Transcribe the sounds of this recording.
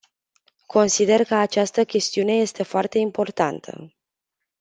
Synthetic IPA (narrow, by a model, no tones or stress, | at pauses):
kʰo̞nsid̪e̞rkəat͡ʃast̪əkʲe̞st̪iune̞je̞st̪e̞foart̪e̞impo̞rt̪ant̪ʰə̰